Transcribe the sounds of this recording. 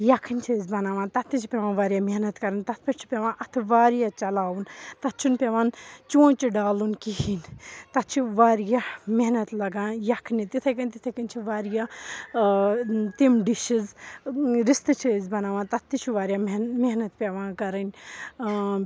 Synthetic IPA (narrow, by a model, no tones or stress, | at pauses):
jɐkʰɨnʲt͡ʃʰizbɐnaːʋãːnt̪ɐt̪ʰːit͡ʃʰipʲeʋãːnʋaːɾjaːmeɦnɐt̪kɐɾɨnt̪ɐt̪̚ʰpɐɾt͡ʃʰi̥pʲeʋãːnʔɐt̪ʰɨʋaːɾjaːt͡ʃɐlaːunt̪ɐt̪t͡ʃʰunpʲeʋaːnt͡ʃõːt͡ʃiɖaːlunkiɦiːnt̪ɐt̪t͡ʃʰiʋaːɾjameɦnɐt̪lɐɡãːjɐkʰnit̪it̪ʰɐk̬ɐnʲt̪it̪ʰɐkɐnʲt͡ʃʰiʋaːɾjaː | t̪imɖiʃiz | ɾist̪ɨt͡ʃʰizbɐnaːʋãːnt̪ɐt̪ʰːit͡ʃʰuʋaːɾjameɦnɐt̪pʲeʋãːkɐɾɨnʲ